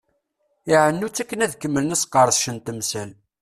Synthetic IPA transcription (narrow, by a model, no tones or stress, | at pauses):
ɪʕənːut͡sːækːənæðkːəmːələnæsqːɑɾˤəsʃənt̪əmsæl